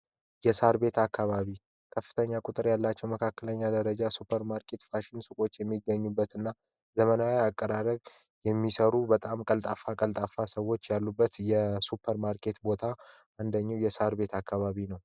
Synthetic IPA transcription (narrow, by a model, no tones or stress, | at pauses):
jɛsaɾbe̞t̪ʰakʰːaβaβi | kʰəfːɨ̥t̪ʰəɲːakʼʊt̪ʼɨɾjalːat͡ʃːɛwməkʰakːələɲːad̪əɾəd͡ʒasupʰːəɾmaɾkʰe̞t̪faʃɪnsukʼo̞t͡ʃːjɛmːiɡːəɲːubːət̪ɨnːa | zəmənawiakʼːəɾaɾəɡ | jɛmːisəɾubət̪ʼamkʼəlt̪ʼafakʼəlt̪ʼafasəwo̞t͡ʃːjalːubːət̪jɛsupʰːəɾmaɾkʰe̞t̪bo̞t̪ʰa | and̪əɲːiwjɛsaɾbe̞t̪ʰakːaβaβinəw